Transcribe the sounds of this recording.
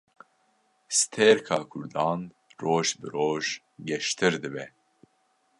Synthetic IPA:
sɨ̥t̪ʰeːɾkʰɑːkʰʊɾd̪ɑːn | roːʒbɨɾoːʒ | ɡɛʃt̪ʰɨɾd̪ɨbɛ

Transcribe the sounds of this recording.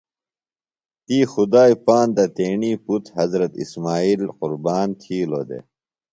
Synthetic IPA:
t̪iːxud̪aːipaːnd̪ɐt̪eːɳiːput̪hɐzɾɐt̪ḭsmaːiːlqʊɾbaːnt̪ʰiːlo̰ːd̪ḛː

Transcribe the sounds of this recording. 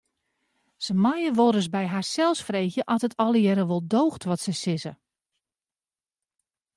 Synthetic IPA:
səmajəʋoɾəs̬bɛjɦaːrsɛlˠsfreːxjəʔɔtətʰɔlˠəjɛɾəʋolˠdoːxtʋɔtsəsɪzə

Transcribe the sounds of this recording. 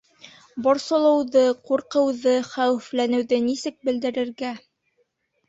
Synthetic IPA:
bɒɾsɤ̆lˠɤ̆wðɤquɾqɤ̆wðɤχæwɘ̆flænɘ̆wðɘnisɘk̚bɘ̆ld̪ɘ̆ɾɘ̆ɾɡæ

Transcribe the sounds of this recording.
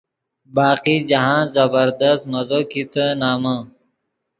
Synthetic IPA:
baːqid͡ʑɐɦãːzɐbəɾd̪ɐst̪mɐzoːkit̪ənaːmãː

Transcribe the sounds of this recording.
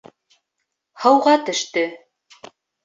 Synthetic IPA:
hɤ̆wʁɑt̪ɵ̆ʃt̪ɵ

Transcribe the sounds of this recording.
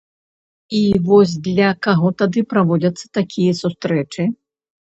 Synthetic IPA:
ivɔsʲd̪lʲɐkaɣɔt̪ad̪ɨpɾavɔd͡zʲɐt̪sːɐ̥t̪akʲʰijɐsust̪ɾɛt͡ʂɨ

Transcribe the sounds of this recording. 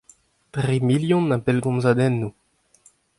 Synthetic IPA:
tʁimiljɔ̃nːabɛlɡɔ̃mzad̪ɛnːu

